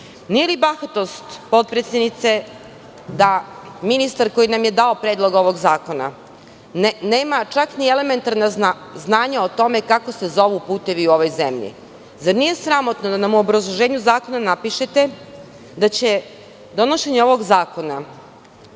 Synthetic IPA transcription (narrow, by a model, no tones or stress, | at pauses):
nije̞libaxat̪o̞st̪po̞t̪̚pɾet̪sjed̪nit̪se̞ | d̪aminist̪aɾko̞jinamje̞d̪ao̞pɾeːd̪lˠo̞ɡo̞ʋo̞ɡzaːko̞na̰ | neːmat͡ʃakniele̞me̞nt̪aɾna | znaːɲaot̪o̞me̞kako̞se̞zo̞ʋupuːt̪e̞ʋiuo̞ʋo̞jzḛmʎḭ | zaɾnije̞sɾamo̞t̪nod̪anamuobɾazlˠoʒeːɲuzaːko̞nanapiʃet̪e̞ | d̪at͡ɕe̞ | d̪o̞no̞ʃe̞ɲeo̞ʋo̞ɡzaːko̞na